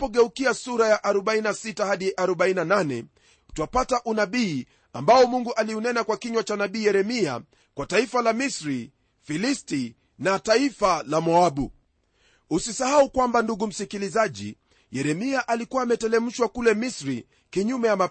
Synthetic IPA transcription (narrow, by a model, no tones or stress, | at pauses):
ɔɠɛukiasuɾajaʔaɾɔɓainasitahaɗiʔaɾɔɓainananɛ | utuapataʔunaɓiː | ambaɔmuŋɡuʔaliunɛnakwakiɲwat͡ʃanaɓiːjɛɾɛmia̰ | kwataifalamisɾi | filisti | nataifalamɔaɓu | usisahaukwambanduɠum̩sikilizaʄḭ | jɛɾɛmiaʔalikuwaːmɛtɛlɛm̩ʃwakulɛmisɾi | kiɲumɛjama